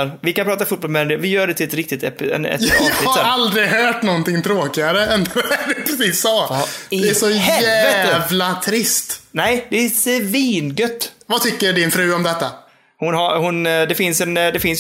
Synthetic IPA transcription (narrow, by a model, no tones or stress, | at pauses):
ɾvɪkanpʰɾɑːt̪aɾfuːt̪̚bɔlmɛɛmd̪ɛvɪjœːɖɛt̪ʰɪlɛt̪ɾɪk̚t̪ɪt̪ɛpːɪɛ̰nɛ̰t̪jjɑɪhasɾald̪ɾɪɡɦœːʈnɔnt̪ɪŋt̪ʰɾoːkɪaɾəɛnd̪ɛɛd̪ɪpʰɾɛsiːsːɑd̪ɛæsɔɦɛæːəvlat̪ʰɾɪst̪nɛjd̪ɛæsviːnɡœt̪ːvat̪ʰʏkːəɖɪnfɾʉ̟ːɔmd̪ɛt̪ːa | hʊnɦaɾhʊnd̪ɛfɪnsɛnd̪ɛfɪns